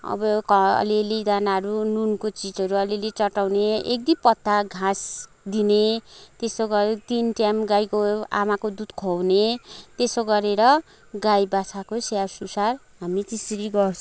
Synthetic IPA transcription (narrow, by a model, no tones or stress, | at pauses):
ʌ̰bʌkʌ̰lelid̪anaɦʌɾununkot͡sid͡zʌɾuʌlelit͡sʌʈawneek̚d̪ipʌt̪ːaɡʱãs | d̪inet̪esoɡʌt̪inʈamɡajkoa̰makod̪ud̪kʰownet̪esoɡʌɾeɾʌ | ɡajbat͡sʰakosjasusar | ɦamit̪isɾiɡʌrt͡sʰ